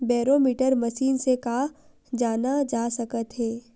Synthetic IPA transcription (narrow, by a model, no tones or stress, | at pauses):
bɛːɾoːmiːʈəɾmɐʃiːnseka | d͡ʒaːnad͡ʒaːsɐkət̪ɦɛː